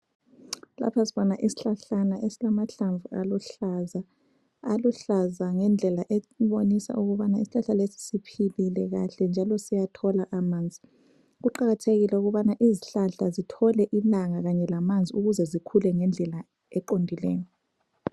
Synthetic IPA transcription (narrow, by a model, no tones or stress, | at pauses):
la̰pʰasiβɔnaʔisi̥ɬaɬanaʔesilamaɬaɱvua̰luɬaza | aluɬazaŋɛnd͡ɮʱɛlaʔeβonisa̰ʔuɣuβanaisiɬaɬalesi̥sipʰililɛɣa̰ɬɛnd͡ʒʱalɔsijatʰɔlaʔamaːnd͡zʱi | ɣuǃaɣatʰeɣilɛuɣuβanaʔiziɬaɬazitʰɔlɛʔilaŋaɣaɲɛlamand͡zʱiuɣuzɛzikʰulɛŋɛnd͡ɮʱɛla | ɛǃondʱilɛ̰ːjɔ